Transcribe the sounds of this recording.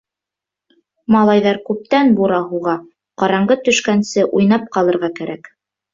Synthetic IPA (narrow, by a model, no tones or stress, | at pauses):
mɑlˠɑjðɑɾkʉp̚t̪ænbuɾɑɦuʁɑ | qɑɾɑɴɢɤt̪ɵ̆ʃkænsɘʔujnɑp̚qɑlˠɤ̆ɾʁɑkæɾʔæk